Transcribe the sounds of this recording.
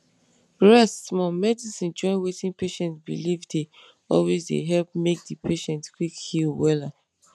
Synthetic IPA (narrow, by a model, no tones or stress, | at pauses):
ɹɛstmɔ̃mɛdisĩnd͡ʒɔ̃ɪ̃nwetĩnpeʃɛ̃ntbḭlivde | ɔlwezdḛɦɛlp̚mek̚dipʰeʃɛ̃ntkwikhilwɛla